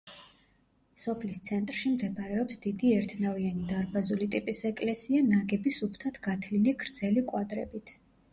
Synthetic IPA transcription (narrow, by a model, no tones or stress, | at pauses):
sɔpʰlist̪sʰɛnt̪ʼɾʃimd̪ɛbɾɛɔpsd̪̥id̪iɛɾt̪ʰnavianid̪aɾbazulit̪ʼipʼisɛkʼlɛsianaɡɛbisupʰt̪ʰat̪ʰɡ̥at̪ʰliliɡɾd̪zɛlikʼwad̪ɾɛ̰bit̪ʰ